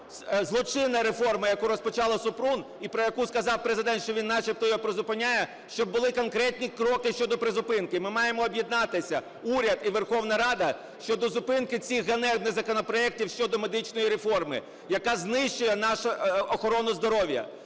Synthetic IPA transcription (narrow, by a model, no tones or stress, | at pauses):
zlˠɔt͡ʃɪnɐɾefɔrmɪjɐkuɾɔspɔt͡ʃɑlˠɐsʊpɾun | ipɾɔjɐkuskɐzɑwpɾezɪd̪ɛnt̪ʃt͡ʃɔʋʲinːɑt͡ʃɪp̚t̪ɔjɔpɾɔzʊpɪnʲajɛ | ʃt͡ʃɔb̚ːʊlˠɪkɔnkɾɛt̪ʲnʲikɾɔkɪʃt͡ʃɔd̪ɔpɾezʊpɪnkɪmɪmɑjemɔːbʲjid̪nɑt̪ɪsʲɐ | uɾʲɐd̪iʋerxɔwnɐɾɑd̪ɐ | ʃt͡ʃɔd̪ɔzʊpɪnkɪt͡sʲiɣːɐnɛnɪzɐkɔnɔpɾɔɛk̚tʲiwʃt͡ʃɔd̪ɔme̞d̪ɪt͡ʃnɔjiɾefɔrmɪ̰ | jɐkɑznɪʃt͡ʃʊjɛnɑʃɐɔxɔɾɔnʊzd̪ɔɾɔʋʲjɐ̰